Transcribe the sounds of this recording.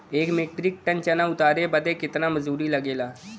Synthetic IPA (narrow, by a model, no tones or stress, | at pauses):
ekmek̚ʈɾik̚ʈənt͡ɕanaut̪aɾebəd̪ʱekit̪ñaməd͡zuːɾiːlaɡela